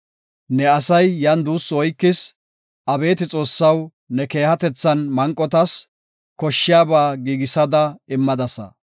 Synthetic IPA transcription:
nɛɐsɐjːɐnd̪uːsɔjkːɪs | ʔɐbe̞ːt̪ɪt͡sʼo̞ːsːɐw | nɛke̞ːhɐt̪ɛt͡sːɐnmɐŋkʼːɔt̪ɐs | kɔʃːɪjaːbaːɡiːɡɪsɐd̪ɐɪmːɐd̪ɐsɐ̰

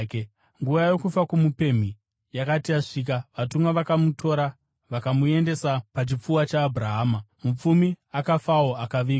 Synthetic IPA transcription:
ŋɡuʋajo̞kufakumupe̞m̤i | jakatiaʂiːk̬aʋatumwaʋakamutʰo̞ːɾa | ʋakamue̞nde̞sapat͡ʃip͡fuwat͡ʃaːbʱraɦaːmamup͡fumiakafawo̞akaʋiː

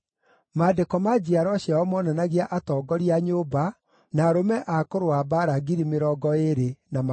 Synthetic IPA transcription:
maːdekɔmad͡ʑiaɾɔɕjaɔmɔnanaɣiaʔatɔːɡɔɾiaɲoːba | naɾomɛʔakoɾoabaɾaɡiɾimeɾɔːɡɔeɾenama

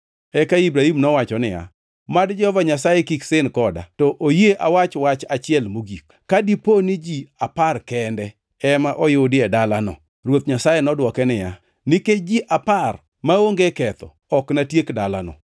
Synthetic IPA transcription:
ɛkaibɾahimnɔwat͡ʃɔnɪja̰ | madd͡ʒɛhɔvaɲasajekiksɪnkɔda̰tɔʔojeʔawat͡ʃwat͡ʃat͡ʃɪɛlmoɡik̚ | kadiponid͡ʒiaparkɛndɛ | ɛmaʔɔjʊdɪɛdalanɔ̰ | rwot̪ɲasajenɔdwɔkɛnɪja | nɪked͡ʒiʔapar | maoŋɡekɛt̪ɔ̰ɔknatjekdalanɔ̰

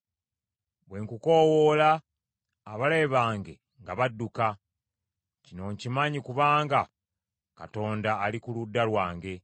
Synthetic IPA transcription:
βwe̞ŋkukowolaː | βale̞βaːŋɡe̞̰ | ŋɡaβadːuka | cino̞ɲcimaɲikuβaːŋɡa | ka̰to̞ːndaːlikuludːalwaːŋɡe̞

